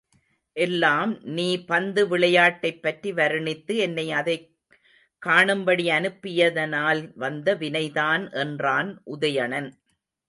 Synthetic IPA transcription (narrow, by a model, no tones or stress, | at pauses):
ʔɛlːaːmniːpɐnd̪ɯʋɪɭɐjaːʈːɐɪpːɐʈriʋɐɾɯɳɪt̪ːɯɛnːɐɪɐðɐɪ | kːaːɳɯmbɐɽiɐnɯpːɪjɐðɐnaːlʋɐnd̪ɐʋɪnɐɪðaːnʔɛndraːnʔʊðɐjɐɳɐn